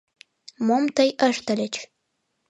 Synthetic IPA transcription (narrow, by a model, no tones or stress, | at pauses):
momt̪əjʔəʃt̪əlʲət͡ɕ